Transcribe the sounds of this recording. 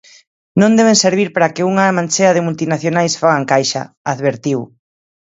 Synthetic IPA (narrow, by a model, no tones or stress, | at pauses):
nõnd̪ɛβ̞ẽnseɾβ̞iɾpaɾakɪuŋamãnt͡ʃeaðɪmult̪inaθjonajsfaɣ̞aŋkajʃa̰ | aðβeɾt̪iw